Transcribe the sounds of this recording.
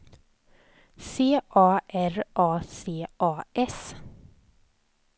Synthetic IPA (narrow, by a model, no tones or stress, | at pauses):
seːʔɑːʔæɾʔɑːseːʔɑːʔɛs